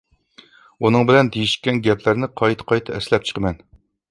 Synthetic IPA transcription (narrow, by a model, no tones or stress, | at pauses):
unɨŋbɪlɛnd̪ejiʃkʲɛnɡʲɛpʰlæɾnɪqʰɑjt̪ʰqʰɑjt̪ʰɑɛslɛp̚t͡ʃʰə̥qʰəmɛn